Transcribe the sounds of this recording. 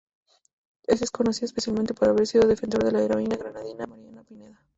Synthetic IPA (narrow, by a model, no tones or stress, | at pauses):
e̞zðesko̞no̞siðoespe̞sjalment̪e̞poɾaβ̞e̞ɾsiðo̞ðe̞fenso̞ɾðe̞laeɾo̞inaɣɾanaðinamaɾjanapineða